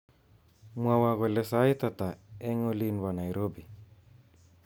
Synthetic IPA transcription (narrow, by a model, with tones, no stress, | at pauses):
mwa˨wa˨ɣɔ˨lɛ˦sa˦i˦t̪at̪a˨ɛ˦ŋɔ˦linwa˨na˨jɾo˦bi˨